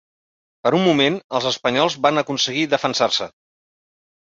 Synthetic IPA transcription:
pəɾumːumenəlˠzəspəɲɔlˠzβanəkunsəɣiðəfənsarsə

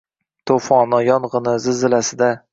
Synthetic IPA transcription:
t̪ʰofɒnɒjɒnʁɨnɪzɪzɪlasɪd̪a

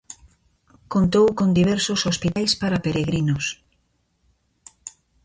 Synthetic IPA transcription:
kont̪owkond̪iβ̞ɛɾsosospit̪ajspaɾapeɾeɣɾinos

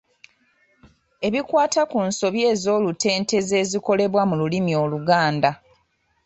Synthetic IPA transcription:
e̞βikwaːtakunso̞βje̞ːzo̞ːlute̞ːnte̞ze̞ːziko̞le̞βwamululimio̞ːluɡaːnda

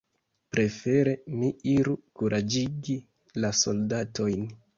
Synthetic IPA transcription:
pɾe̞fe̞ɾe̞miiɾukuɾʔad͡ʒiɡi | laso̞ldato̞jn

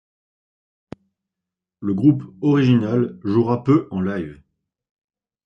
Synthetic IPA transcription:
ləɡʁupɔʁiʒinalʒuʁapøʔɑ̃lajv

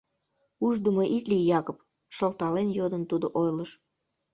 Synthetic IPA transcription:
uʒd̪əmoʔiklijɑkop | ʃəlˠt̪ɑlenjod̪ənt̪ud̪oʔojləʃ

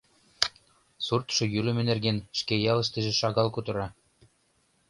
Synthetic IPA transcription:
surt̪ʃɤ̆jylɘ̆mɘ̆nerɣenʃkejɑlɤ̆ʃt̪ɘ̆ʒĕʃɑɣɑlkut̪ɤ̆ɾɑ

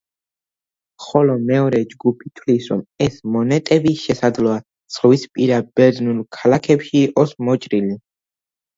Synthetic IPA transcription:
χɔlɔmɛɔɾɛd͡ʒɡupʰit̪ʰwlisɾɔmɛsmɔnɛt̪ʼɛbiʃɛsad̪zlɔa | t̪sʰʼχvispʼiɾabɛɾd̪nulkʰalakʰɛpʃiːʔʼɔsmɔt͡ʃʼɾili

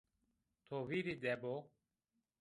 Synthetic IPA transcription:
t̪ʰoːwiːɾid̪eːboː

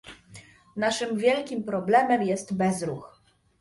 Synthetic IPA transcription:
naʂɘmvʲjɛlkʲimpɾɔblɛmɛmjɛst̪bɛzɾux

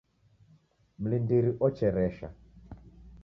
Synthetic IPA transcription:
m̩lindiɾiʔɔt͡ʃɛɾɛʃa̰

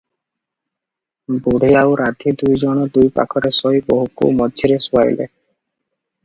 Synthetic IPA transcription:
buɽ̤iawɾad̪ʰʱid̪ujd͡ʒɔɽ̃ɔd̪ujpa̰kʰɔɾesɔjbɔɦukṵmɔdʱiɾesuaj̰lḛ

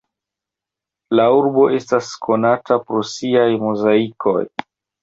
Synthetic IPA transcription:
lauɾbo̞ʔe̞staskʰo̞natapɾo̞siajmozaikʰo̞̰j

